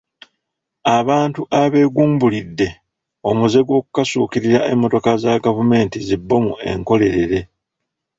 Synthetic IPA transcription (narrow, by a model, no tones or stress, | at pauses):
aβaːntuʔaβe̞ːɡuːmbulidːe̞ | o̞muze̞ɡwo̞ːku̥kasuːkiɾiɾaʔe̞mːo̞to̞kazaɡavume̞ːntizibːo̞mue̞̰ŋko̞le̞ɾe̞ɾe̞